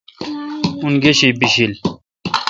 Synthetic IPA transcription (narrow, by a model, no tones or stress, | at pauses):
unɡeɕibiɕil